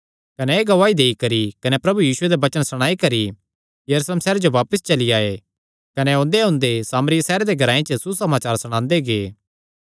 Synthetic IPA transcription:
kɐneeːɡɐʋaːid̪eːikɐɾikɐnepɾɐbujiːsʊed̪ebɐt͡ʃənsɐɽ̃aːikɐɾi | jɐɾuːsleːmsɛːɾed͡ʒoʋaːpəst͡ʃɐliaːe | kɐneɦõːnd̪eɦʊ̃ːnd̪esaːməɾɪjsɛːɾed̪eɡʱɐɾaːẽt͡ʃəsusɐmaːt͡ʃaːɾsʊɽ̃ãːnd̪eɡeː

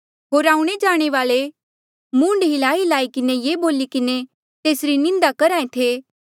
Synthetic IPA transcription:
ɦoːɾaːũɽ̃ed͡ʒaːɽ̃eʋaːɭe | mũːɳɖɦilaːilaːikɪnejeːboːlikɪne | t̪eːsɾinɪ̃nd̪akɐɾaːẽt̪ʰeː

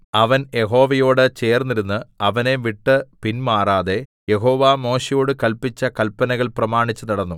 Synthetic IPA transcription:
ɐʋɐnje̞ɦo̞ːʋɐjo̞ːɽɨt͡ɕe̞ːrnːiɾunːɨɐʋɐne̞ʋiʈːɨpinmaːraːðe̞ | je̞ɦo̞ːʋaːmo̞ːɕɐjo̞ːɽɨkɐlpit͡ɕːɐkɐlpɐnɐɣɐɭprɐmaːɳit͡ɕːɨnɐɽɐnːu

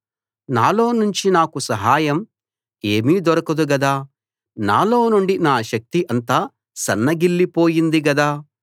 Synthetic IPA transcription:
naːlo̞ːnuɲt͡ʃinaːkusɐɦaːjɐm | eːmiːd̪ɔɾɐkɐd̪uɡɐd̪aː | na̰ːlo̞ːnuɳɖinaːʃɐk̚t̪iʔɐnt̪aː | sɐnːɐɡiɭːipo̞ːjind̪iɡɐd̪aː

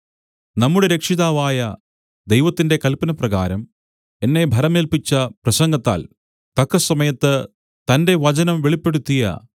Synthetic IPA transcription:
nɐmːuɽeɾe̞kʂiðaːʋaːjɐ | d̪e̞jʋɐt̪ːinde̞kɐlpɐnɐprɐɣa̰ːɾɐm | e̞nːe̞bʱɐɾɐmeːlpit͡ɕːɐprɐsɐŋɡɐt̪ːa̰ːl | t̪ɐkːɐsɐmɐjɐt̪ːɨ | t̪ɐnde̞ʋɐt͡ɕɐnɐmʋeɭipːe̞ɽut̪ːijɐ̰

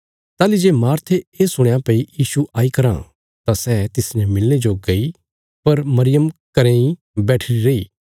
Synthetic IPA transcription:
t̪aːlid͡ʒeːmaːɾt̪ʰeesʊɽ̃jãpɐijiːsuʔaːikɐɾã̰ | t̪asɛːt̪ɪsnɛmɪlːed͡ʒoɡɐi | pɐɾmɐɾɪjəmkɐɾẽĩ | bɛːʈʰɪɾiɾeiː

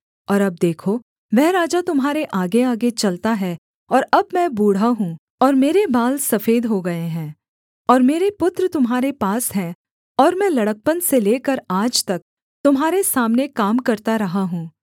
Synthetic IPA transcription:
ɔːɾɐb̚d̪eːkʰo | ʋɛɦɾaːd͡ʒat̪ʊmɦaːɾeʔaːɡeaːɡet͡ʃɐlt̪aɦɛ | ɔːɾɐbmɛ̃buːɽ̤aɦũː | ɔːɾmeːɾebaːlsɐfeːd̪ɦoɡɐeɦɛ̃ː | ɔːɾmeːɾepʊt̪ɾət̪ʊmɦaːɾepaːsɦɛ̃ | ɔːɾmɛ̃lɐɽək̚pənseleːkəɾaːd͡ʒt̪ɐk̚ | t̪ʊmɦaːɾesaːmnekaːmkɐɾt̪aɾɐɦaɦũː

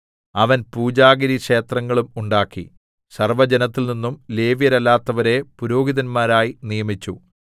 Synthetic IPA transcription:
ɐʋɐnpuːd͡ʑaːɡɐɾiɐkʂe̞ːt̪rɐŋːɐɭumuɳɖaːkːḭ | sɐrʋɐd͡ʑenɐt̪ːilninːumle̞ːʋjɐɾɐlːaːt̪ːɐʋɐɾe̞puɾo̞ːɡiðɐnmaːɾaːjinijɐmit͡ɕːu

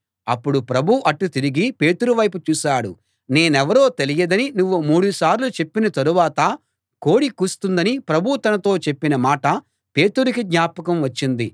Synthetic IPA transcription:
ɐpːuɽupɾɐbʱuʔɐʈːut̪iɾiɡipe̞ːt̪uɾuʋɐjput͡ʃuːʃaːɽu | ne̞ːnɛʋɐɾo̞ːt̪elijɐd̪ɐninuʋːumuːɽusaːɾlut͡ʃe̞pːinɐt̪ɐɾuʋaːt̪ɐ | ko̞ːɽikust̪und̪ɐnipɾɐbʱut̪ɐnɐt̪o̞ːt͡ʃe̞pːinɐmaːʈɐ | pe̞ːt̪uɾukid̪ɲaːpɐkɐmʋɐt͡ʃːind̪i

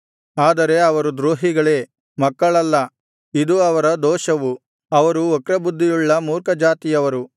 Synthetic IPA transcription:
aːd̪ɐɾe̞ɐʋɐɾud̪ɾoːɦiɡɐɭe̞ː | mɐkːɐɭɐlːɐ | id̪uɐʋɐɾɐd̪ɔːʃɐʋu | ɐʋɐɾuɔkɾɐbud̪ʱːijuɭːɐmuːɾkɐd͡ʒaːt̪ijɐʋɐɾu

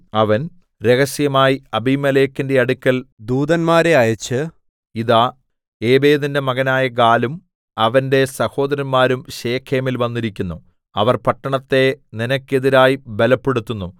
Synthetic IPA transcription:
ɐʋɐn | ɾe̞ɣɐsjɐmaːjiɐbimɐleːkːinde̞ɐɽukʲːɐld̪uːd̪ɐnmaːɾeɐjɐt͡ɕːɨ | iðaː | eːbe̞ːðinde̞mɐɣɐnaːjɐɡaːlum | ɐʋɐnde̞sɐho̞ːd̪ɐɾɐnmaːɾumɕeːkʰːeːmilʋɐnːiɾikʲːunːu | ɐʋɐrpɐʈːɐɳɐt̪ːe̞ninɐkʲːe̞ðiɾaːjibelɐpːe̞ɽut̪ːunːu

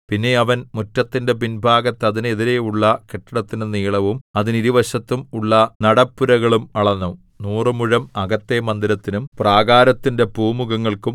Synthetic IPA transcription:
pinːe̞ɐʋɐnmutːɐt̪ːinde̞pinbʱaːɡɐt̪ːɐðine̞ðiɾe̞uɭːɐkeʈːɐɽɐt̪ːinɨniːɭɐʋumɐðiniɾiʋɐɕɐt̪ːumuɭːɐnɐɽɐpːuɾɐɣɐɭumɐɭɐnːɐ | nuːrɨmuɻɐmɐɣɐt̪ːemɐnd̪iɾɐt̪ːinumpraːɡaːɾɐt̪ːinde̞buːmuɣɐŋːɐɭkum

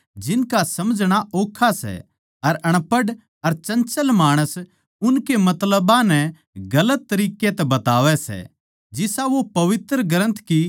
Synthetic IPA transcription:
d͡ʒɪnkasɐmd͡ʒʱɽ̃aʔoːkʰːasɛ̰ | ɐɾɐɽ̃pəɖ | ɐɾt͡ʃɐ̃nt͡ʃəlmaːɽ̃əs | ʊnkemɐt̪ləbãnɛ | ɡɐlət̪ːɐɾiːket̪ɛbɐt̪aːʋɛsɛ̰ | d͡ʒɪsaʋopɐʋɪt̪ɾəɡɐɾə̃nt̪ki

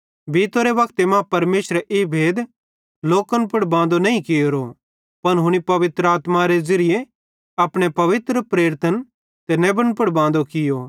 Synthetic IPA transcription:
bʱiːt̪oɾeʋɐkt̪emãpɐɾmeːʃsɾʔeːbʱeːd̪ | loːkənpʊɽbãːnd̪onɐĩkɪjoːɾo | pɐnɦʊɽ̃ipɐʋɪt̪ɾəaːt̪maɾed͡ʒɐɾɪje | ɐpɽ̃epɐʋɪt̪ɾəpɾeːɾt̪ən | t̪enɛbənpʊɽbãːnd̪okɪjo

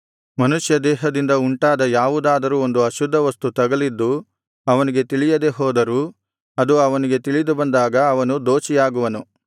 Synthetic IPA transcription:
mɐnuʂjɐd̪ɛːɦɐd̪ind̪ɐuɳʈaːd̪ɐjaːʋud̪aːd̪ɐɾuːond̪uɐʃud̪ʱːɐʋɐst̪ut̪ɐɡɐlid̪ːu | ɐʋɐniɡe̞t̪iɭijɐd̪e̞ɦɔːd̪ɐɾuː | ɐd̪uɐʋɐniɡe̞t̪iɭid̪ubɐnd̪aːɡɐːʋɐnud̪oːt͡ʃijaːɡuʋɐnu

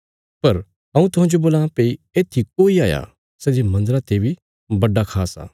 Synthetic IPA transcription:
pɐɾ | ɐ̃ũt̪ʊɦãːd͡ʒoboːlãpeieːt̪ʰik̚oːiaːja̰ | sɛd͡ʒemɐ̃nd̪əɾat̪ebʱi | bɐɖːakʰaːsa̰ː

